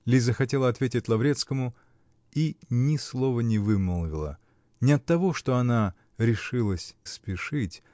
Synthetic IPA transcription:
lʲizəxɐtʲe̞lˠəɐt̪vʲet̬ʲɪtʲlˠɐvɾʲe̞t̪skəmʊ | inʲɪslˠo̞vənʲɪvɨməlˠvʲɪlˠə̰ | nʲɪɐt̪ːɐvo̞ʂt̪o̞ɐna | ɾʲɪʂɨlˠəsʲspʲɪʂɨtʲ

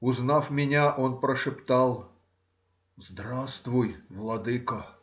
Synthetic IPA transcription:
ʊznafmʲɪnʲaʔo̞npɾəʂɨpt̪alˠ | zd̪ɾast̪vʊjvlˠɐd̪ɨkə

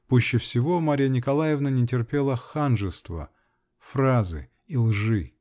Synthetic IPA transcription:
puɕːɪfsʲɪvo̞maɾʲɪjənʲɪkɐlˠajɪvnənʲɪtʲɪrpʲe̞lˠəxanʐɨst̪və̰ | fɾazɨ̰ | ilˠʐɨ

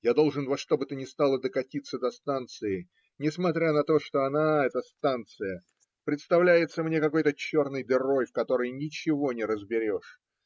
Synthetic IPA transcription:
jad̪o̞lˠʐɨnvɐʂt̪o̞bɨt̪ɨnʲɪst̪alˠəd̪əkɐtʲit̪səd̪ɐst̪ant̪sɨɪ | nʲɪsmɐt̪ɾʲanɐt̪o̞ʂt̪o̞ɐnaɛt̪əst̪ant̪sɨjə | pɾʲɪt̪st̪ɐvlʲæjɪt̪səmnʲe̞kɐko̞jt̪ət͡ɕo̞rnɨjd̪ʲɪɾo̞jfkɐt̪o̞ɾəjnʲɪt͡ɕɪvo̞nʲɪɾəzbʲɪɾʲoʂ

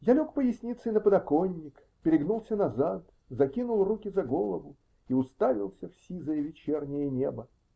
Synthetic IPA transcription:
jalʲokpəjɪsʲnʲit̪sːɨinəpəd̪ɐkonʲːɪk | pʲɪɾʲɪɡnulˠsʲənɐzat̪ | zɐkʲinʊlˠrukʲɪzɐɡo̞lˠəvʊ | iʊst̪avʲɪ̰lˠsʲəfsʲizəjəvʲɪt͡ɕernʲɪjənʲebə

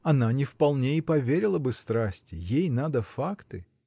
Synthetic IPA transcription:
ɐnanʲɪfpɐlˠnʲeɪpɐvʲeɾʲɪlˠɐbɨst̪ɾasʲtʲɪjejnad̪əfakt̪ɨ

